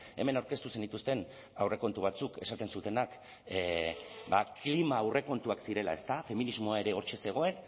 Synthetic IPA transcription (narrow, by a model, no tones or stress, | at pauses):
e̞̰me̞nawɾke̞st̪use̞nd̪it̪ust̪e̞n | awre̞ko̞nt̪uβ̞at͡suke̞̰sat̪e̞nsut̪e̞nak | ba̰klimaːwre̞ko̞nt̪uaksiɾe̞la̰e̞st̪afe̞minizmo̞ae̞ɾe̞o̞ɾt͡ʃe̞se̞ɣ̞o̞e̞n